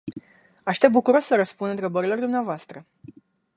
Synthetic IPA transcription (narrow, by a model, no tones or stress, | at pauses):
aʃt̪e̞p̚bukuɾo̞ssəɾəspund̪ɨnt̪ɾe̞bəɾilo̞rd̪umneavoast̪ɾə